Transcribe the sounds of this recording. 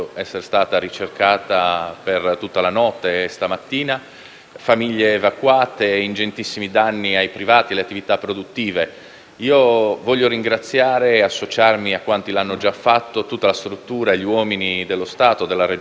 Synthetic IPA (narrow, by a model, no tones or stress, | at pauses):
ɛsːeɾest̪aːt̪aɾit͡ʃerkaːt̪apert̪ut̪ːalanɔt̪ːest̪amat̪ːiːna | famiʎːeːvakːwaːt̪eind͡ʒent̪isːimid̪anːiajpɾivaːt̪ialeat̪ːivit̪apːɾod̪ut̪ːiːve | iːovɔʎːoɾiŋɡɾat̪sːjaːɾeasːot͡ʃarmiakːwant̪ilanːod͡ʒafːat̪ːot̪ut̪ːalast̪ɾut̪ːuːɾaʎːiwɔːminid̪elːost̪aːt̪od̪elːaɾe